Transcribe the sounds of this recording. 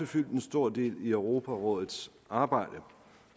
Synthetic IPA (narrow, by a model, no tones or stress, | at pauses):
əfyl̰d̥n̩sd̥o̝ɐ̰d̥e̝̰ːliœʊʁo̝ːpʰæʁɔ̽ːðˠð̩ˠs | ɑ̈ːb̥ɑ̈ɪ̰d̥ə